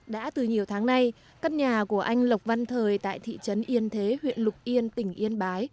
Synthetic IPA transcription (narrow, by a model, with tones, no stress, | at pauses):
ɗa̰ː˧˥t̪ɨ˨˩ɲi˨˩əwt̪ʰaː˨˦ŋna˧j | kaː˧t̚ɲaː˨˩ku˧˩əʔa˧jŋ̟lə˨˩wk͡p̚va˧nt̪ʰəː˨˩jt̪a̰ː˧˨jt̪ʰḭ˧˨t͡ɕə˨˦nʔi˧ənt̪ʰe˨˦hwḭ˧˨ənlʊ˨˩k͡p̚ʔi˧ənt̪ï˧˩ŋ̟ʔi˧ənɓaː˨˦j